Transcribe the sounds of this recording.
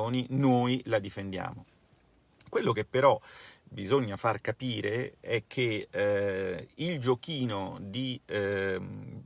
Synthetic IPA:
oːninoːjlad̪ifend̪ja̰ːmo | kwelːokepːeɾɔbizoɲːafarkapiːɾeɛkʰːe | ild͡ʒokiːnod̪i

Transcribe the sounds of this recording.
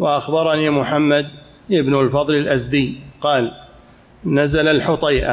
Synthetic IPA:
waʔaxbɑɾˤɑniːmʊħamːad̪ | ʔɪbnʊlfɑðˤlɪlʔazd̪ɪjqɑːl | nazalalħʊt̪ˤɑjʔa̰

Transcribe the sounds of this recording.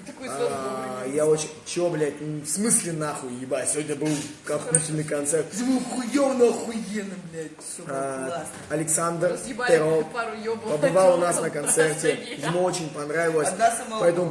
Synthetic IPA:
ɐkajaot͡ɕɪnʲt͡ɕɪvoblʲaɪt̪nʊfsmɨsʲlʲɪnaxʊjɪbasʲɪvo̞dʲnʲəbɨlˠkɐutʲɪlʲnɨkɐnt̪sɛrt̪zvɨxʊjonɐxʊjenɨblʲt̪ | ɐlʲɪksand̪rpʲeɾopəbɨvalˠʊnasnəkɐnt̪sɛrtʲɪjʲɪmoo̞t͡ɕɪnʲpɐnɾavʲɪlˠəsʲpɐɛt̪əmʊ

